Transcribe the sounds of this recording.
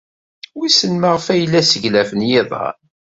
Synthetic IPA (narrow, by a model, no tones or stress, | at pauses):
wisənməʁəfæjəlːæsəʝlæfənjɪðˤɑ̰